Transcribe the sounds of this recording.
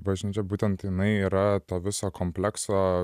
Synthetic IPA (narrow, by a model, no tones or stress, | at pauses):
bɐʒʲnʲiːt͡ʃʲɛbuːt̪ʲɛnt̪ɪnɐɪiːɾɐt̪oːʋʲɪsoːkomʲpʲlʲɛksoː